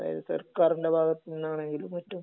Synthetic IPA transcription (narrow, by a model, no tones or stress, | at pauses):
ða̰ːjɐ̰ðɨsɐ̰rkaːriɳɖebʱaːɡɐt̪ːininːaːɳe̞ŋɡilumːɐtːum